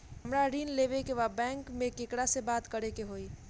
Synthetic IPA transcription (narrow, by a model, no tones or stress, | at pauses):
əmɾaɾiːnleːʋekeʋabɛ̃ːŋkmẽkɪkɽasebaːt̪kəɾekeɦoːi